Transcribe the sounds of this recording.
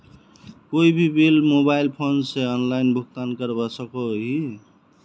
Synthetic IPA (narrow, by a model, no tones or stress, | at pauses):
koibʱibelmobajlpʰonseʌnlajnbʱuk̚t̪ankʌɾbʌsʌkoɦi